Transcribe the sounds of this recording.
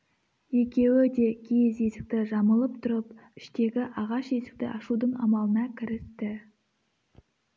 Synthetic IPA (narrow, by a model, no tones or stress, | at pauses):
je̞kʲe̞wɪd̪e̞kʲʰeze̞sɪk̚t̪ɪʒɑməlˠəp̚t̪ʰʊɾəpɪʃt̪e̞ɡʲɪʔɑʁɑʃje̞sɪ̥k̚t̪ɪ̰ʔɑʃud̪əɴɑ̰mɑlˠənɑkʲʰɪɾɪst̪ɪ